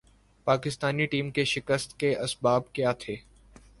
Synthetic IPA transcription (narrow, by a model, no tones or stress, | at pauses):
paːkɪst̪aːniʈiːmkeʃɪkəst̪keʔɐsbaːb̚kjaːt̪ʰeː